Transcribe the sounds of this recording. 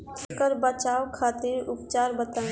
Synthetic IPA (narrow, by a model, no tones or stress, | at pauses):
t̪ʰkəɾbət͡ʃaːʋkʰaːt̪iɾʊpt͡ʃaːɾbət̪aː